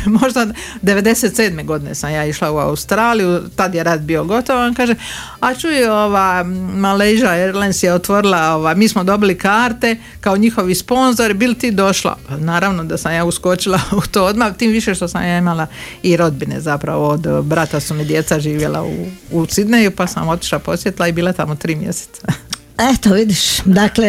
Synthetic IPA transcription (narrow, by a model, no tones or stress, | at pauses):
mo̞ʒd̪a | d̪e̞ʋe̞d̪e̞set̪se̞ːd̪me̞ɡo̞d̪ine̞̰samjaːiʃlaua̰ust̪ɾaːlijut̪ad̪je̞ɾaːd̪bio̞ɡo̞t̪oʋonkaːʒe | at͡ʃuo̞ʋajmalejʒaeɾlajnsjeot̪ʋo̞ɾilaoʋajmiːsmod̪o̞bilikaːɾt̪e̞ | kaoɲixo̞ʋispo̞nzo̞ɾibilt̪iːd̪o̞ʃla̰naːɾaʋnod̪asamjaːusko̞t͡ʃilaut̪oːo̞d̪mat̪iːmʋiʃeʃt̪osa̰mjaːimalaiɾo̞d̪̚bine̞̰zapɾa̰ʋood̪bɾat̪asumid̪je̞t̪saʒiːʋje̞la̰ṵːsid̪nejupasa̰mo̞t̪i̥ʃlapo̞sjet̪ilaibiːlˠat̪amo̞t̪ɾiːmjḛse̥t̪sa | et̪oʋid̪iʃd̪akle